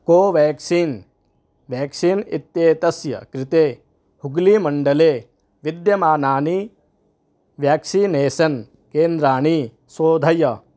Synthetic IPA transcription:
koːʋeːksiːn | ʋjaːksiːnit̪ːjeːt̪ɐsjɐ̰kɾɪt̪eː | huɡlimɐɳɖɐleː | ʋid̪jɐmaːnaːni | ʋjaːksineːsɐn | keːnd̪ɾaːɳi | soːd̪ʱɐjɐ

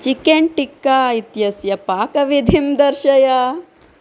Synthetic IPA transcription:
t͡ʃikeɳʈikːait̪jɐsjɐpaːkɐʋid̪ʱimd̪ɐɾʃɐjɐ

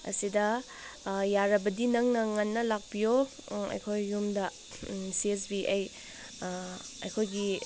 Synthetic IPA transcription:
ɐ̰sidɐ | jaɾɐbɐdinɐŋnɐŋɐnːɐlak̚bijo | ɐ̰jkʰojːumdɐ | siesbiʔaj | ɐjkʰojɡi

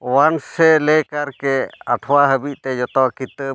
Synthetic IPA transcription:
wansɛlɛkaɾkɛaʈʰwaɦəbiʔ̚ˀt̪ɛd͡ʒɔt̪ɔkit̪ə

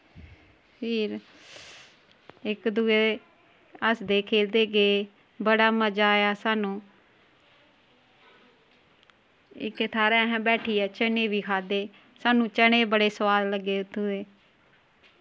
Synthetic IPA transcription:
pʰɪːɾ | ɪkd̪uːeː | əsd̪eːkʰeːld̪eːɡeː | bəɽaːməd͡ʒaːjaːsaːnũː | ɪ̰kt̪ʰaːɾɛːɦɛ̃ːbɛːʈʰiːɛːt͡ʃəɳeːʋiːkʰaːd̪eː | saːnũːt͡ʃəɽ̃eːbəɽeːsəʋaːlləɡːeːʊt̪ʰːuːeː

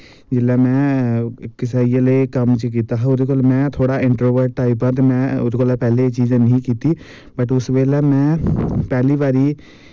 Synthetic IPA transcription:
d͡ʒɪlamɛ̃ | kɪsaːiəlekəmt͡ʃək̬iːt̪aɦʊd̪kolmɛ̃ːt̪ʰoːɽaɪ̃ɳʈɾoːʋəɾɖʈaːipãt̪emɛ̃ʊd̪kolapɛːlet͡ʃiːzẽnəɦĩkiːt̪i | bəʈʊsʋeːlamɛ̃ːpɛːlibaːɾi

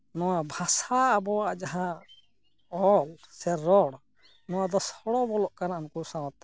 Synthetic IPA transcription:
nɔwabʱasaːbɔwaʔd͡ʒaɦã | ɔlsɛɾɔɽ | nɔwad̪ɔshɔɽɔbɔlɔʔkanaʔnkusãwat̪

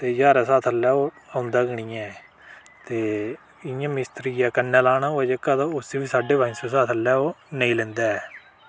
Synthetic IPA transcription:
t̪eːd͡ʒaːɾaːsaːt̪ʰəlːɛːoː | aːʊnd̪aːɡəɳĩːɛ | t̪eː | ɪjãːmɪst̪ɾiːɛːkənːɛːlaːnaːoːɛːd͡ʒekːaːt̪aʊsʋiːsaːɖeːbãɪ̃nsoːsaːt̪ʰəlɛːoːnəĩːlɛ̃ːnd̪aːɛː

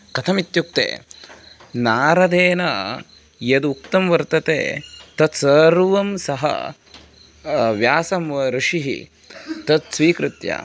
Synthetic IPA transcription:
kɐt̪ʰɐmit̪juk̚t̪ḛː | naːɾɐd̪eːnɐ | jɐd̪ukt̪ɐmʋɐɾt̪ɐt̪ḛːt̪ɐt̪sɐɾʋɐmsɐɦɐ̰ | ʋjaːsɐmʋɐɾɪʂiɦḭ | t̪ɐt̪sʋiːkɾɪt̪ja̰

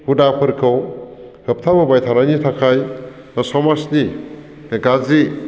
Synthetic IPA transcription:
hudapʰɯɾkʰɯwhɯp̚tʰabɯbajtʰanajnitʰakʰaj | nasɔmasni | ɡazi

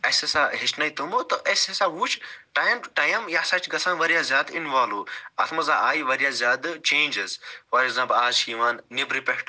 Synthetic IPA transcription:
ɐsesaɦit͡ʃnɐjt̪umot̪ɐʔɐsesaːʋuːt͡ʃʰʈaːjmʈaːjɐmjaːsɐt͡ʃʰɡɐt͡sʰaːnʋɐɾʲjaːzʲjaːd̪inʋaːluːɐt̪ʰmɐzaːʔaːjʋɐɾijazʲjaːd̪t͡ʃẽːnʲd͡ʒezfɐɾekzãːmplaːzʃiːʋaːnːibɾipekʰʈ

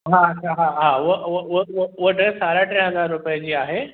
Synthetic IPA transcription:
ɦaːt͡ɕʰaɦaɦaːʊɦʊɦʊɦʊʊɦəʈẽsaːɾaʈɾɪ̃ɦɐzaːɾɾʊpiəd͡ʑiaːɦeː

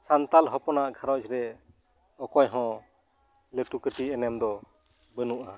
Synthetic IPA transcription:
sant̪alɦɔpɔnaʔɡʰʱaɾɔt͡ʃɾɛ | ɔkɔjɦɔ̃ | ləʈukəʈiɛnɛmd̪ɔ | bənuʔa

